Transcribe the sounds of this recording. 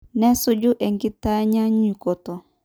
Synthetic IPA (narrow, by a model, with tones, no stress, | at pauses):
nɛ˦sɔ˦d͡ʒu˦ʔɛ˨ŋɡi˦ta˦ɲa˦ɲi˨kɔ˨tɔ˨